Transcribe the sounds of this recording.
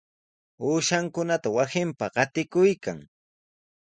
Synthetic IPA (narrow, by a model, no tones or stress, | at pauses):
uːʃaŋkʊnat̪awasɪmpaɢɑt̪ɪkʊjka̰ŋ